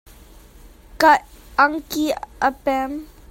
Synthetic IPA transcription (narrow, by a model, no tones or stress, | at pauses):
kataŋkiəpɛm